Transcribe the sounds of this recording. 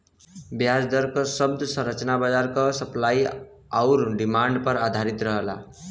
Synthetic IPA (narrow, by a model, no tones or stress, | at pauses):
bjad͡zd̪ʌɾkosʌb̚d̪ʱsʌ̃ɾʌt͡ʃnabad͡zaɾkosʌplaj | awɾɖimaɳɖpʌɾad̪ʱaɾit̪ɾʌɦʌla̰